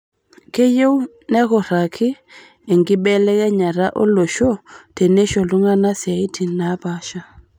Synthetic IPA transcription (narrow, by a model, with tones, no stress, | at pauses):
ke˦je˦w | nɛ˦kɔ˨ɾa˨kʰɪ˦ | ɛ˨ŋɡɪ˦bɛ˦lɛ˦kɛ˦ɲa˨ɾa˦ʔo̰˦lo˨ʃo˦te˨ne˦ʃo˨lu˦ŋa˦na˦sɪ˨a˨i˦tʰi˨na˨˦pa˦ʃa˦